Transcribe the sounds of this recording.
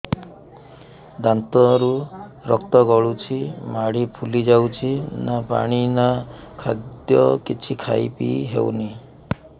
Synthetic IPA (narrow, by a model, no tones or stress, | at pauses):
d̪ant̪ɔɾuɾɔk̚t̪ɔɡɔɭut͡ʃʰimaɽipʰulid͡ʒawt͡ʃʰinapa̰ɽ̃inakʰa̰d̪jɔkit͡ʃʰikʰa̰jpḭɦḛwni